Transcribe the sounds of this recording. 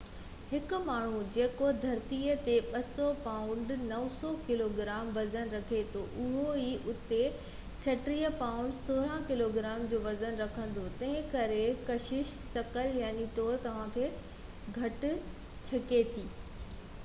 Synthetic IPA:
hɪkʊ̆maːɳ̤ũd͡ʑeːkod̪ʱɐɾt̪iət̪eɓɐsɔpaːʊ̃ɳɖnɐʋsɔkɪloːɡɪɾaːmʋɐzənɾɐkʰet̪ʰoʔʊɦoiʔʊt̪e | t͡ɕʰɐʈɾijəpaːʊ̃ɳɖsoːɾãkɪloɡɪɾaːmd͡ʑoːʋɐzənɾɐkʰə̃nd̪ot̪ɐ̃ɦɪ̃kɐɾekɐʃɪʃsɐkəljaːnit̪ɔːɾt̪ɐʋ̤ãːkʰeː | ɡʱɐʈʊ | t͡ɕʰɐket̪ʰiː

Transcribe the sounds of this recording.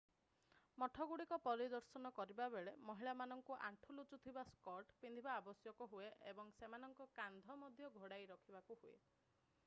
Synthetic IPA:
mɔʈʰɔɡuɽikɔpɔɾid̪ɔɾsɔnɔkɔɾibabeɭemɔɦiɭamanɔŋkuʔa̰ɳʈʰulut͡ʃut̪ʰibaskɔɾʈpind̪ʱibaːbɔsjɔkɔɦueʔḛbɔŋsemanɔŋkɔkand̪ʱɔmɔd̪ʱjɔɡʱoɽajɾɔkʰibakuhuḛ

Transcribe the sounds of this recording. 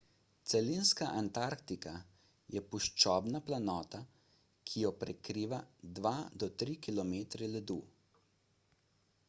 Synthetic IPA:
t̪sɛlinskaʔant̪aɾkt̪ika | jɛpuʃt͡ʃɔːbnaplanɔːt̪a | kʰijɔpɾɛkɾiːʋad̪ʋad̪ɔt̪ɾikilɔmeːt̪ɾɛlɛd̪uː

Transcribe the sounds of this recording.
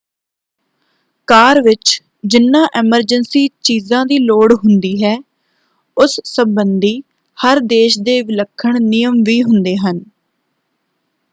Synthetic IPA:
kaːɾʋɪt͡ʃ | d͡ʒɪnːãːʔɛːməɾd͡ʒənsiːt͡ʃiːzãːd̪iːloːɽɦʊnd̪iːɦɛː | ʊssəmbənd̪iː | həɾd̪eːʃd̪eːʋɪləkʰːəɳnɪjəmʋiːɦʊnd̪eːɦən

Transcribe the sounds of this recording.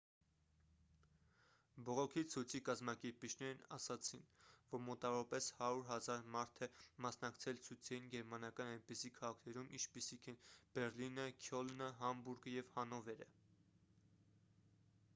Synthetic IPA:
bɔʁɔkʰit͡sʰujt͡sʰikɑzmɑkɛɾpit͡ʃʰnɛɾnɑsɑt͡sʰinvɔɾmɔt̪ɑvɔɾɑpɛshɑɾuɾɦɑzɑɾmɑɾt̪ʰɛmɑsnɑkt͡sʰɛlt͡sʰujt͡sʰɛjinɡɛɾmɑnɑkɑnɑjnpisikʰɑʁɑkʰnɛɾumʔḭt͡ʃʰpisikʰɛnb̥ɛɾlinəkʰjɔlnəɦɑmbuɾɡəjɛvhɑnɔvɛɾə̰

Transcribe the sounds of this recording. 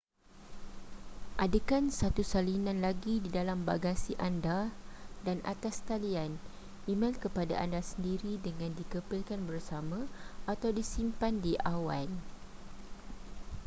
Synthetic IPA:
ʔadəkansat̪usalinãnlaɡididalamba̰ɡasiʔandadanʔa̰t̪ast̪alian | imãnkəpada̰ʔandasəndiɾidəŋãndikəpilkanbərsamãat̪awdisimpandiʔawa̰n

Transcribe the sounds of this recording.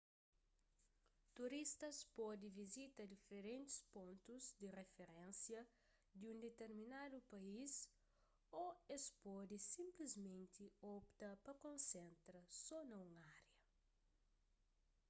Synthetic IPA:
t̪uɾist̪ɐspɔd̪ivizit̪ɐd̪ifeɾẽnt̪ɪ̥spõnt̪uzd̪irefeɾẽnsjɐ | d̪iũnd̪et̪eɾminad̪upɐis | oespɔd̪isĩmplizmẽnt̪iɔpt̪ɐpɐkõnsẽnt̪ɾɐsɔnɐũŋaɾjɐ

